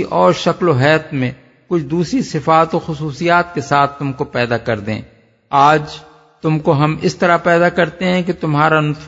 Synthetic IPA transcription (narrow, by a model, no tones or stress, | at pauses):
ʔɔːɾʃɐkloɦɛːt̪mẽ | kʊt͡ʃʰd̪uːsɾisɪfaːt̪oxʊsuːsijaːt̪̚kesaːt̪ʰːʊmkopɛːd̪akɐɾd̪ḛ̃ː | aːd͡ʒ | t̪ʊmkoɦɐmɪ̰st̪ɐɾapɛːd̪akɐɾt̪eɦɛ̃ket̪ʊmɦaːɾanʊt̪